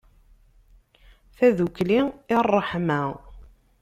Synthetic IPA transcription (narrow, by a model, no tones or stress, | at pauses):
θæðukːliɪrˤːəħmæ